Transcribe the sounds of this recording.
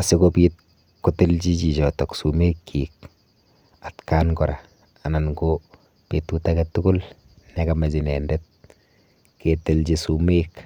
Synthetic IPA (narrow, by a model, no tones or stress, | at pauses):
asɪkopiːt̚ | kutɪlt͡ʃit͡ʃit͡ʃɔtɔksumekʰːik | atkaːnkɔɾa | ananɡo | petutakɛtukʊl | nɛkamad͡ʒinɛːndɛt̚ | ketɪlt͡ʃisumek